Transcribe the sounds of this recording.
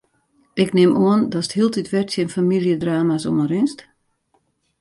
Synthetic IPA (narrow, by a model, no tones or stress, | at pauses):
ɪknɪmuəndɔsəthiəlˠtitʋɛrsjənfamilˠjədraːmaso̰məɾɪnst